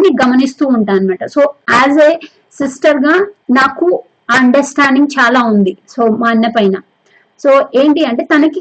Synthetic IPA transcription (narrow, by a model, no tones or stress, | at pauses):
nːiɡɐmɐnist̪uːɳʈaːnimɛːʈɐsoːæːzeː | sisʈɐɾɡaːnaːku | ɐɳɖɐɾsʈaːɳɖiŋɡt͡ʃaːlaːund̪iso̞ːmaːnjɐpɐjnɐ | soːe̞ːɳʈiɐɳʈe̞ːt̪ɐnɐki